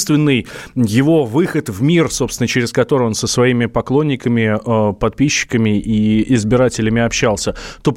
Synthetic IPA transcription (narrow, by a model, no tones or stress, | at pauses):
st̪vʲɪnːɨjjɪvo̞vɨxət̪vmʲirsopst̪ʲɪnət͡ɕɪɾʲɪskɐt̪o̞ɾɨo̞nsəsvɐimʲɪpɐklˠo̞nʲːɪkəmʲɪəpɐt̪̚pʲiɕːɪ̥kəmʲɪʔiɪzbʲɪɾatʲɪlʲɪmʲɪɐpɕːalˠsʲət̪o̞p